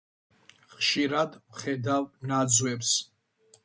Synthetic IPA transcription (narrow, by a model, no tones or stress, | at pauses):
χʃiɾad̪mχɛd̪avnad̪zwɛps